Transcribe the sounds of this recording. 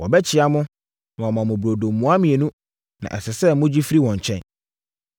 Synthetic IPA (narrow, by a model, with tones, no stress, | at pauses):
wɔ̰˨bɛ˦t͡ɕʰɪ˨a˦mʊ̃˦ | nʊ̃˨a˨mã˨mʊ̃˨bu˨ɾo˨dõ˨mːũ˨a˦mɪ̃˨e˨nũ˦ | nã̰˨ʔɛ̰˨sɪ˨sɛ˦mʊ̃˦d͡ʑi˦fi˦ɾi˦wɔ̃˨ɲ̩˨t͡ɕʰɛ̰̃˦˨n